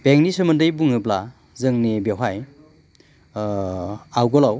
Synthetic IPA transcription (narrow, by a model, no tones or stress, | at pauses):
b̥eŋnisɯmɯndɯjbuŋɯbla | zɯŋnebewɦaj | awɡɔlaw